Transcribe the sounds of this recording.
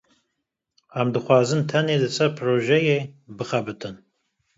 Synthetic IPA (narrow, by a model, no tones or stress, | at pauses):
amd̪ɨχʷɑːzɨnt̪ʰɐneːd̪ɨsɐpʰroːʒɐjeːbɨχɐbɨt̪ʰɨn